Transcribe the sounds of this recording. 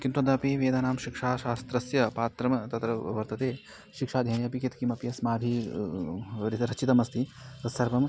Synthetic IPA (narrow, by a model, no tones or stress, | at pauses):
kint̪ɾund̪aːpiʋeːd̪aːnaːmʃikʂaːʃaːst̪ɾɐsjɐpaːt̪ɾɐmt̪ɐt̪ɾɐʋɐɾt̪ɐt̪eː | ʃikʂaːd̪ʱjɐːnjɐpikit̪kimɐpijɐsmaːbʱi | ɾiɾɐt͡ʃit̪ɐmɐst̪ʰiɐsɐɾpɐm